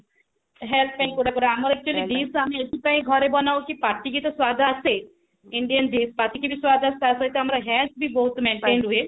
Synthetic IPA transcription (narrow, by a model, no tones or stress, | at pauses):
ɦɛlppãĩkuɽakuɖaɦɐməɾɛk̚t͡ʃuəlid̪iːsɦɐmẽed̪ʱipãĩɡʱɔɾebɐnaːokipaːɾʈik̬it̪oswaːd̪ʱase | ɪ̃ɳɖijənd̪iːspaːɾʈikibʱiswaːd̪ʱast̪asɐt̪eɦɐmɾaɦɛːt̪bʱibɔɦʊt̪mẽːɳʈẽːɳɖɦue